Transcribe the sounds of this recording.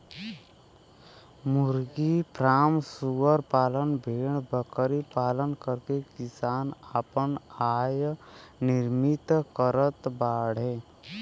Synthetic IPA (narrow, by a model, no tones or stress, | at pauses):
mʊɾɡipɾaːmsuəɾpaːlənbʱeːɽ̃bəkɾipaːlənkəɾkekɪsaːnaːpənaːjnɪɾmit̪kəɾət̪baːɽ̤ɦẽː